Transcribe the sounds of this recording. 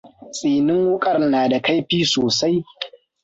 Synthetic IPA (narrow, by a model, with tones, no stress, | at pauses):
sʼiː˨nɪ˦ŋwʊ˦kʼɐ˦rnaː˨da˨ka˦jɸiː˦soː˨sa˦j